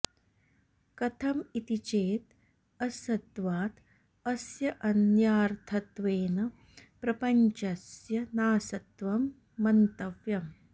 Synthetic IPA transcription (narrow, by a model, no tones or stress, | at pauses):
kɐt̪ʰɐmit̪it͡ʃeːt̪̚ | ɐsɐd̪ʋaːt̪ | ɐsjɐʔɐnjaːɾt̪ʰɐt̪ʋeːnɐ | pɾɐpɐɲt͡ʃɐsjɐnaːsɐt̪ʋɐmː | ɐnt̪ɐʋjɐm